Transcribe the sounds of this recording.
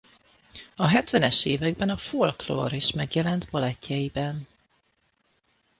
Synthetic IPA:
ɒɦɛt̪ʋɛnɛʃeːvɛɡ̚bɛnɒfolklo̰ːɾiʃmɛɡjɛlɛnt̪bɒlɛcːɛjibɛn

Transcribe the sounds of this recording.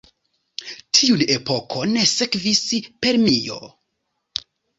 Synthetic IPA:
tʰiune̞po̞kʰo̞ne̞se̞kvispe̞ɾmio̞̰

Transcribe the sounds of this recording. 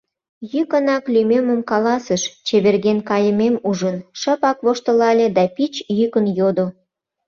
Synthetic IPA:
jykənɑklymeməmkɑlɑsəʃt͡ɕeβerɣenkɑjəmemuʒənʃəpɑkβoʃt̪əlɑlʲed̪ɑpit͡ɕjykənjod̪o

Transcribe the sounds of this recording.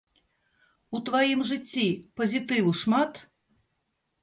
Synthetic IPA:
ut̪vajimʐɨt͡sʲːipɐzʲit̪ɨwuʂmat̪

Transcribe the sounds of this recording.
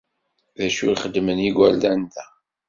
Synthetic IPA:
ðæʃujχəd̪ːməniɡʷæld̪ænt̪æ

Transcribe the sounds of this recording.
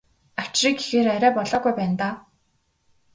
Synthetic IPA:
aw̥t͡ɕriːkexeːɾæɾʲæːpɔɮɔːɡujpæːnt̪aː

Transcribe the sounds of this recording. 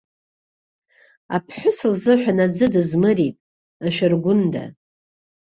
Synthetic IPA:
a̰pʰħʷʊsɨlzɨħʷᶣanad͡zɨdɨzmɨɾitʼ | aʃᶣarɡʷʊnda̰

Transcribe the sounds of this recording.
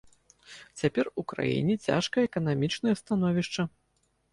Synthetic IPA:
t͡sʲapʲɛrukɾa̰jḭnʲɛt͡sʲa̰ʂkɐjɛkɐn̪amʲit͡ʂnɐjɐst̪anɔvʲiʂt͡ʂɐ

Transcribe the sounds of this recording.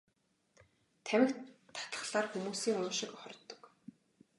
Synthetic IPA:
t̪ʰæmʲɪ̆k̪ʰːḁt̪ə̥̆χɮaːrxumuːsiːŋʊːʃɪ̆kχɔrʲt̪ːɞ̥̆k

